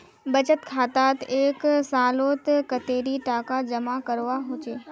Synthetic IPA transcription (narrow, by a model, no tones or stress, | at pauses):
bɐt͡ʃət̪kʰaːt̪aːt̪eːksaːloːt̪kɐt̪eːɾiʈaːkad͡ʒɐmakɐɾʋaɦʊt͡ʃeː